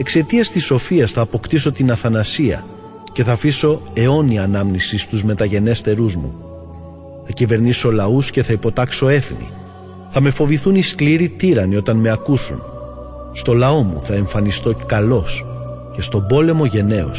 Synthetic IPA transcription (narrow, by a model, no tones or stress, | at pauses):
e̞kse̞t̪iɐst̪iso̞fiɐsθɐːpo̞kt̪iso̞t̪inɐθɐnɐsiɐ̰ | ce̞θɐːfiso̞e̞o̞niɐnɐmnisist̪uzme̞t̪ɐʝe̞ne̞st̪e̞ɾuzmṵ | θɐcive̞ɾniso̞lɐusce̞θɐipo̞t̪ɐkso̞e̞θnḭ | θɐme̞fo̞viθuniskliɾit̪iɾɐnio̞t̪ɐnme̞ɐkusṵn | st̪o̞lɐo̞mṵθɐe̞ɱfɐnist̪o̞kɐlo̞s | ce̞st̪o̞bo̞le̞mo̞ʝe̞ne̞o̰s